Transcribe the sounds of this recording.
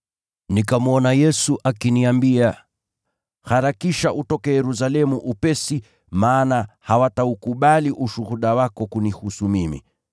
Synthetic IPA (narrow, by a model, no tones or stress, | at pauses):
nikamuɔnajɛsuʔakiniambia | haɾakiʃaʔutɔkɛjɛɾus̬alɛmuʔupɛsi | maːnahawataukuɓaliʔuʃuhuɗawakɔkunihusumimḭ